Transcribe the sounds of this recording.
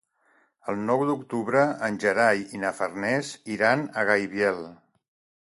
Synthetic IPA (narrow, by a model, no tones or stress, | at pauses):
əlˠnɔwd̪ukt̪uβɾəənʲʒəɾajinəfərnɛziɾanəɣajβjɛlˠ